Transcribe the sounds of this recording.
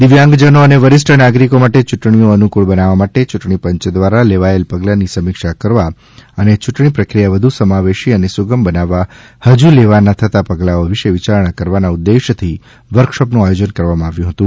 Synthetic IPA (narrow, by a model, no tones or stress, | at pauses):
d̪ɪʋjãŋɡd͡ʒənoəneʋəɾɪsʈʰənaɡɾikomaʈet͡ʃuʈɳ̃ijoənukuɭbənaʋamaʈet͡ʃuʈɳ̃ipəɲt͡ʃd̪ʋaɾaleʋaelpəɡlanisəmɪkʃakəɾʋa | ənet͡ʃʊʈɳipɾəkɾijaʋəd̪ʱusəmaʋeʃiənesuɡəmbənaʋa | həd͡ʒuleʋanat̪ʰət̪apəɡlaoʋiʃeʋit͡ʃaɾɳ̃kəɾʋanaʊd̪ːeʃt̪ʰi | ʋəɾkʃəpnũajod͡ʒənkəɾʋamãaʋjũɦət̪ũ